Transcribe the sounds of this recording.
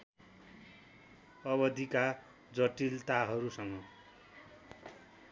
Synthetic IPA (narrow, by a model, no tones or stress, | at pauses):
ʌβʌd̪ʱika | d͡zʌʈilt̪aɦʌɾusʌŋɡʌ